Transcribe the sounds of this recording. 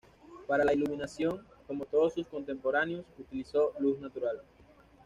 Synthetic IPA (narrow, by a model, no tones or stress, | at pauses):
paɾalailuminasjo̞ŋko̞mo̞t̪o̞ðosusko̞nt̪e̞mpo̞ɾanjosut̪iliso̞luznat̪uɾal